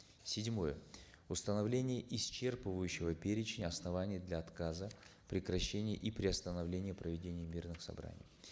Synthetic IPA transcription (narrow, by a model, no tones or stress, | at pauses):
sʲɪdʲmo̞jə | ʊst̪ənɐvlʲenʲɪjəʔɪst͡ɕe̞rpɨvəjʉɕːɪvəpʲeɾʲɪt͡ɕɪnʲɐsnɐvanʲɪjəd̪lʲɐɐt̪kazəpɾʲɪkɾɐɕːenʲɪjə̰ʔipɾʲɪɐst̪ənɐvlʲenʲɪjəpɾəvʲɪdʲenʲɪjəmʲirnɨxsɐ̰bɾa̰nʲɪ̰j